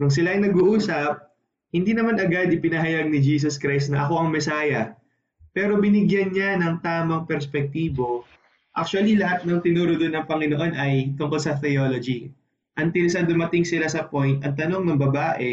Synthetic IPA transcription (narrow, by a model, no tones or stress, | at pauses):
kʊŋs̬ɪlaɐjnɐɡuʔuːsɐp̚ | hɪnd̪iːnɐmanɐɡad̪ɪpɪnɐɦɐjaɡ̚nɪd͡ʒiːs̬oskɾajst̪̚nɐʔɐko̞ʔɐŋmɛsaːjɐ | pɛːɾo̞bɪnɪɡjɐnɲanɐŋt̪aːmɐŋpɛɾspɛk̚t̪iːbo̞ | ʔak̚t͡ʃuɐlilɐɦat̪̚nɐŋt̪ɪnuːɾod̪onːɐŋpɐŋɪnoʔo̞nʔɐjt̪ʊŋko̞lsɐt̪ɛjolod͡ʒi | ʔɐnt̪ilsɐd̪ʊmɐt̪ɪŋsɪlasɐpo̞jnt̪ɐŋt̪ɐno̞ŋnɐŋbɐbaːʔɛ